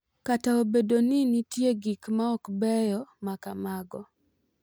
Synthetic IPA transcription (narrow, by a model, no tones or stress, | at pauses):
kataobedoninitjeɡikmaɔkbɛjɔmakamaɡɔ